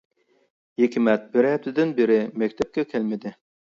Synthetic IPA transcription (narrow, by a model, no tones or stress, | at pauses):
jekʰʲɪmɛt̪̚bɪɾhɛft̪ʰɪd̪ɪnbeɾɪmɛkʲt̪ʰɛp̚kʲɛkʲʰælmɪd̪ɪ